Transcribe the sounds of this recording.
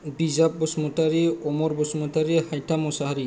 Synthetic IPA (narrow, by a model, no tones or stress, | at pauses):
bizap̚bɔsmɔtaɹiɔmɔɹbɔsmɔtaɹihajtʰamɔsaɦɾi